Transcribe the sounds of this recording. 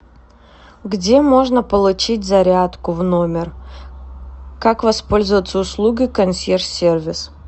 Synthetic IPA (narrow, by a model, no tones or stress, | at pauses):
ɡdʲe̞mo̞ʐnəpəlˠʊt͡ɕitʲzɐɾʲat̪kʊvno̞mʲɪr | kakvɐspo̞lʲzəvət̪səʊslˠuɡʲɪkɐnsʲersʲervʲɪs